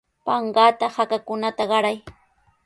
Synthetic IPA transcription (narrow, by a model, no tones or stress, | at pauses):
pɑɴɢaːt̪ahakakʊnat̪aɢɑɾaj